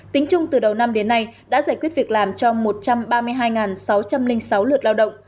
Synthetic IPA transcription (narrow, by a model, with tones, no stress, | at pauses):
t̪ï˨˦ŋ̟t͡ɕʊ˧ŋ͡mt̪ɨ˨˩ɗə˨˩wna˧mɗe˨˦nːa˧jɗa̰ː˧˥zaː˧˩jkwət̚vi˨˩ək̚laː˨˩mt͡ɕɔ˧mo˨˩t̚t͡ɕa˧mɓaː˧mɨ˧əjɦaː˧jŋaː˨˩nsa˨˦wt͡ɕa˧mlï˧ŋ̟sa˨˦wlɨ˨˩ət̚laː˧wɗə̰˧˨ŋ͡m